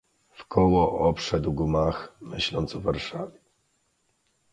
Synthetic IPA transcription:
fkʰɔwɔʔɔpʂɛd̪wɡumaxmɘɕlɔnt̪sɔvaɾʂavʲjɛ

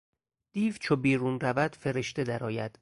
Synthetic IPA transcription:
d̪̥iːvt͡ʃʰobiːɾuːnrævæd̪̥feɾe̞ʃt̪e̞d̪æɾɒːjæd̪̥

